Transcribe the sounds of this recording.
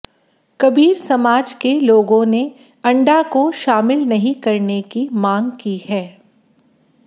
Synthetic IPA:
kɐbiːɾsɐmaːd͡ʒkeloːɡõne | ɐ̃ɳɖakoʃaːmɪlnɐɦĩkɐɾnekimãːŋɡkihɛː

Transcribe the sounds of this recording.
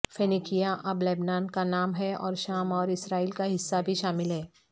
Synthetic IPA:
fenikijaʔɐblɛːbnaːnkanaːmɦɛɔ̰ːɾʃaːmɔːɾɪsɾaːiːlkaɦɪsːabʱiʃaːmɪlɦɛː

